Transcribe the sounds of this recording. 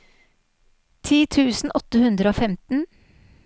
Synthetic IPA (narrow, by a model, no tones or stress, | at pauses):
t̪ʰiːt̪ʰʉːsn̩ʔɔt̪əhʉnd̪ɾəoːfɛmt̪n̩